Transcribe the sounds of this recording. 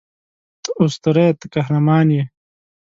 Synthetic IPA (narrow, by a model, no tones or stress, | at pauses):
t̪ust̪ɐɾet̪kɐɦɾɐmaːnje